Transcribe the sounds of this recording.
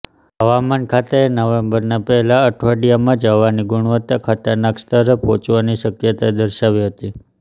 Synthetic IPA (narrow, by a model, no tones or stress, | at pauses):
ɦəʋamankʰat̪eenəʋembəɾnapɛɦɛlaəʈʰʋaɖijamãd͡ʒəʋaniɡuɳ̃ʋət̪ːakʰat̪əɾnakst̪əɾpot͡ʃʋaniʃəkjət̪aed̪əɾʃaʋiɦət̪i